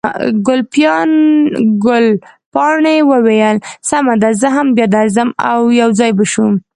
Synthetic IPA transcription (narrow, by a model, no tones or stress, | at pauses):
ɡʊlpjɑnɡʊlpɑɳewəwejəlsamad̪azəɦambjɑd̪aɾzəma̰wjawzɑjbəʃum